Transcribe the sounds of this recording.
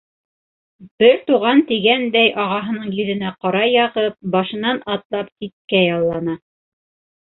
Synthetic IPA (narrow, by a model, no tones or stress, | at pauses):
b̥ɘɾt̪uʁɑnt̪iɡænd̪æjʔɑʁɑɦɤ̆nɤɴjɵ̆ðɘ̆næqɑɾɑjɑʁɤp̚bɑʃɤ̆nɑnɑt̪lˠɑpsit̪̚kæjɑlˠːɑnɑ